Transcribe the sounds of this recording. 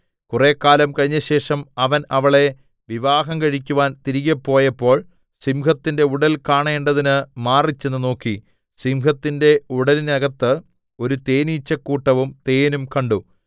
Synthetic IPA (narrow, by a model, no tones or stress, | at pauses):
kure̞ːkːaːlɐmkɐɻiɲːɐɕe̞ːʂɐmɐʋɐnɐʋɐɭe̞ | ʋiʋaːɦɐmkɐɻikʲːuʋaːnt̪iɾiɣɐpːo̞ːjɐpːo̞ːɭ | simkɐt̪ːinde̞uɽɐlkaːɳe̞ːɳɖɐðinɨmaːrit͡ɕːe̞nːɨno̞ːkːi | simkɐt̪ːinde̞uɽɐlinɐɣɐt̪ːɨ | o̞ɾut̪e̞ːniːt͡ɕːɐkːuːʈːɐʋumt̪e̞ːnumkɐɳɖu